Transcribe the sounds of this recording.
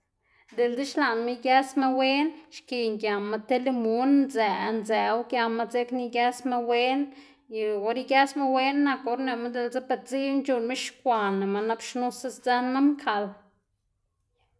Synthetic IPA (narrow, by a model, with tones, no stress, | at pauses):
d̪e˨lde˦ʃla˨nma˦ɡja˦sma˦we˦nʃki˧ŋɡja˨ma˧t̪e˦le˦mo˦nnze˨˧nze˨˦wɡja˧ma˧t͡se˦kni˧ɡa˦sma˦we˦n | jɡo˦ɾi˦ɡʲja˦sma˦we˦nːa˧ko˧ɾne˧˨ma˦d̪e˧ld͡ze˦pe˧˨t͡si˦nt͡ʃu˧nme˦ʃkʷa˨na˨ma˧na˦bʃnu˦sa˦sd͡za˦nma˦mkʰa˧l